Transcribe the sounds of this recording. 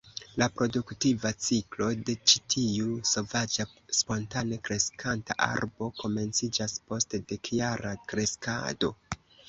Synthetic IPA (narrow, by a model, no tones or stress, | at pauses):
lapɾo̞duktivat͡siklo̞de̞t͡ʃitʰiuso̞vad͡ʒaspo̞ntane̞kɾe̞skʰanta̰ʔa̰ɾbo̞ko̞me̞nt͡sid͡ʒaspo̞stede̞kjaɾakɾe̞ska̰do̞